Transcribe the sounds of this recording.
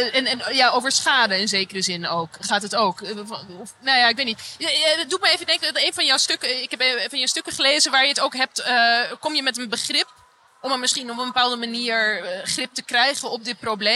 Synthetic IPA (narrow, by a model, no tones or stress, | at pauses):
ɛnɛnjaowvəɹsχaːdəɪnzeːkərəzɪnowkχaːtɦətowk | nojaɪkʋetnitdukmajejvəndɛŋkejnvɑnjɔwstøkəɪkɦɛpevɑnjəstøkəχəlejzənʋaːɹjəətowkɦɛp̚təkɔmjəmɛtənbəχrɪp̚ | ɔməmɪsχinɔpə̃nbəpaːlˠdəmaniːɹχrɪp̚təkrɛjχənɔp̚dɪt̚proble